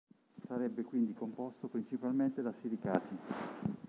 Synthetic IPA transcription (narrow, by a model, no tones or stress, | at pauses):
saɾɛbːekwind̪ikompɔst̪opɾint͡ʃipalment̪ed̪asiɾika̰ːt̪i